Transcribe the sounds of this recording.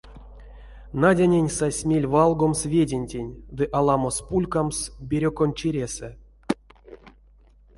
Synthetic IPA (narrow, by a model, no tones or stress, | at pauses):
nadʲanʲenʲsasʲmʲelʲvalˠɡo̞msvʲedʲenʲtʲenʲd̪ɨʔalˠamospulʲkamsbʲeɾʲokont͡ʃiɾʲesɛ